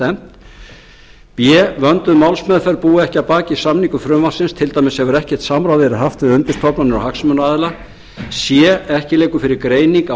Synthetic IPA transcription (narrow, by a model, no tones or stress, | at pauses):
ɛm̥t̪ | pjɛvœnt̪ʏðmawlsmɛðfɛɾpuːɪɛhcɪapaːcɪisamniŋkʏfɾʏmvḁsɪnst̪ʰɪlt̪aːjmɪsɛvʏɾɛhcɛ̥ɾ̥t̪samɾawðɪɾaɦaft̪ɪðʏnt̪ɪ̥st̪ʰɔpnanɪɾɔ̰whaksmœnaːðɪla | sjɛɛhcɪleːjkʏfɪɾɪɾkɾeːjniŋka